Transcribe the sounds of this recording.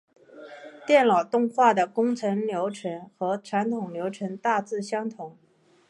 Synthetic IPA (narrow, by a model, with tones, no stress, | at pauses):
t̪jɛ˥˩nlɑ˨˩ʊt̪ʊ˥˧ŋxwa˥˩d̪ə˩kʊ˥ŋt͡sʰə˧˥nljo˧˥ʊʈ͡ʂʰə˧˥nxɤ˧˥ʈ͡ʂʰa˧˥nt̪ʰʊ˨˩ŋljo˧˥ʊʈ͡ʂʰə˧˥nt̪a˥˧t͡sɹ̩˥˩ɕjɑ˥ŋt̪ʰʊ˧˥ŋ